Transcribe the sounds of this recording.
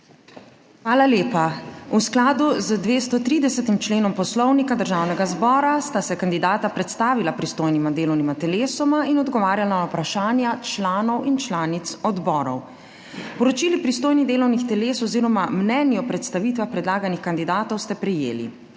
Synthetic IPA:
xʋaːlaleːpausklaːd̪uzəd̪ʋeːst̪ɔt̪ɾiːd̪ɛsɛt̪imt͡ʃleːnɔmpɔslɔwnikad̪əɾʒawnɛɡazbɔːɾast̪asɛkand̪id̪aːt̪apɾɛt̪st̪aːʋilapɾist̪oːjnimad̪eːlɔwnimat̪ɛleːsɔmainɔd̪ɡɔʋaːɾjalanawpɾaʃaːnjat͡ʃlaːnɔwint͡ʃlaːnit̪sɔd̪bɔːɾɔw | pɔɾɔt͡ʃiːlipɾist̪oːjnid̪eːlɔwnixt̪ɛleːsɔziːɾɔmamnɛnjiɔpɾɛt̪st̪aʋit̪ʋaxpɾɛd̪laːɡanixkand̪id̪aːt̪ɔwst̪ɛpɾɛjḛːlḭ

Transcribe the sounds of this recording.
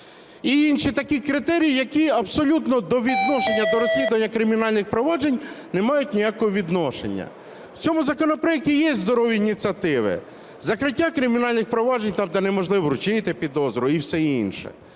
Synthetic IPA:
iinʃit̪ɐkʲikɾɪt̪ɛɾʲijijɐkʲiɐbsɔlʲut̪nɔd̪ɔʋʲid̪nɔʃenʲːɐd̪ɔɾɔsʲlʲid̪ʊʋɐnʲːɐkɾɪmʲinɑlʲnɪxpɾɔʋɑd͡ʒenʲnemɑjʊt̚ʲnʲijakɔɦɔʋʲid̪nɔʃḛnʲːɐ̰ | wt͡sʲɔmʊzɐkɔnɔpɾeɛk̚ʲtʲijɛzd̪ɔɾɔʋʲiːnʲit̪t͡sʲiɐt̪ɪʋɪ̰ | zɐkɾɪtʲːakɾɪmʲinɑlʲnɪxpɾɔʋɑd͡ʒenʲt̪ɑmt̪ɐnɛmɔʒlˠɪʋɔɾʊt͡ʃɪt̪ɪpʲid̪ɔzɾʊiwsɛḭnʃɛ̰

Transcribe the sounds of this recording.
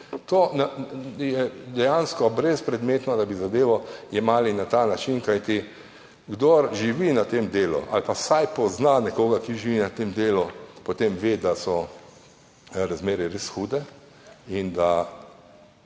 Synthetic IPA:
t̪oːnjɛd̪ɛjanskɔbɾespɾɛd̪meːt̪nɔd̪abizad̪eːʋɔimaːlinat̪aːnat͡ʃinkajt̪i | ɡd̪oɾʒiʋinat̪emd̪eːlṵʔa̰lpasajpɔznanɛkoːɡakiʒiʋinat̪emd̪eːlupɔt̪emʋeːd̪asɔ | ɾazmeːɾɛɾesxuːd̪ɛ | ind̪a

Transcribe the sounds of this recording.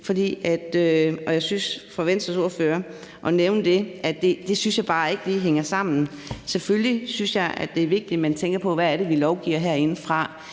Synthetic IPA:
fɒ̽d̥ḭːæd̥øʔɒ̽jɑ̈ɪsynsfɒ̽ʋen̰d̥sɒso̝ɐføːɐ | ʔɒ̽neʊnəd̥e̝ædd̥e̝d̥e̝synsjɑ̈ɪb̥ɑ̈ːe̝ɡ̥əliːɦeŋ̰ɐsɑ̈m̰n̩ | seføllisynsjɑ̈ɪʔæ̰d̥e̝ɐʋe̝ɡ̥̚d̥imænt͡sʰeŋ̰ɡ̥ɐpʰɒ̽ʋææɐɾ̥e̝ʋilɒʊɡ̥ḭːɐɦæɐe̝nəfʁɑ̈

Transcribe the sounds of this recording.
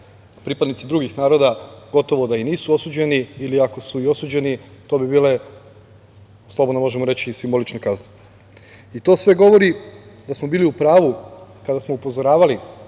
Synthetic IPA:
pɾipad̪nit̪sid̪ɾuɡixnaːɾo̞d̪aɡ̥o̞t̪o̞ʋo̞d̪ainiːsuo̞suːd͡ʑe̞niiliako̞suio̞suːd͡ʑe̞nit̪o̞ːbibiːle̞ | slˠo̞bd̪nomo̞ʒemoɾe̞t͡ɕisimbo̞lit͡ʃnekazne | it̪o̞ːsʋe̞ɡo̞ʋo̞ɾid̪asmo̞biːliupɾaːʋukad̪asmo̞upo̞zo̞ɾaːʋali

